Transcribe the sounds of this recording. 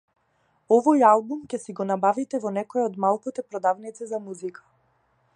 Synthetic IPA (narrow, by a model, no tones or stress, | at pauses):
ɔvɔjalˠbumcɛsiɡɔnabavit̪ɛvɔnɛkɔɛɔd̪malˠkut̪ɛpɾɔd̪avnit̪sɛzamuzikʰḁ